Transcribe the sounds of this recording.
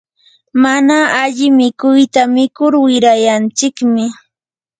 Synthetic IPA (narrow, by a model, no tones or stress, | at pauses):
manaaʎɪmɪkʊjt̪amɪkʊɾwɪɾajant͡sɪkmɪ